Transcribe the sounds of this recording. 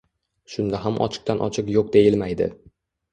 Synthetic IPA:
ʃʊnd̪aɦamʔɒ̰t͡ʃʰɪ̥q̚t̪anʔɒ̰t͡ʃʰɪqjoq̚d̪e̞jɪlmajd̪ɪ̰

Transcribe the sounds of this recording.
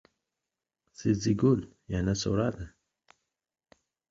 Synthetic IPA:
siziɡul | janaso̰ɾad̪ə

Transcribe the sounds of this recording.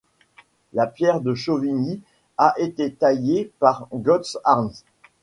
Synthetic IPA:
lapjɛʁd̪əʃovini | aʔet̪et̪ajepaʁɡɔt̪saʁns

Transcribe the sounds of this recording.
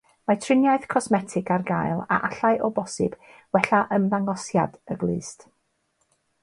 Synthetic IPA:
matʰrɪnjaɨθkʰɔsmɛtʰɪɡarɡajlˠa̰ʔaɬaɨʔɔbɔsɨ̰b̥ | wɛɬaʔəmðaŋɔsja̰dəɡlˠɨːst

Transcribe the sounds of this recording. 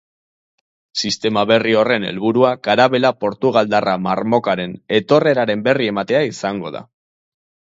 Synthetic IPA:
sist̪e̞maβe̞rio̞re̞ne̞̰lβuɾuakaɾaβe̞lapo̞ɾt̪uɣald̪arama̰ɾmo̞kaɾe̞ne̞t̪o̞re̞ɾaɾe̞mbe̞rie̞mat̪e̞aisaŋɡo̞̰ð̞a̰

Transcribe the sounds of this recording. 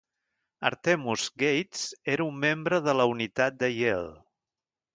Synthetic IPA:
ə̰ɾt̪emuzɡejt̪seɾəumːembɾəð̞ələunit̪at̪̚d̪əjelˠ

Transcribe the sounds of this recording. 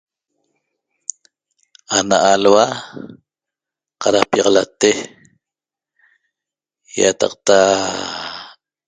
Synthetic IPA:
anaʔalwa | qɑɾapjɑʁɑlat̪e | ja̰t̪ɑ̰q̚t̪a

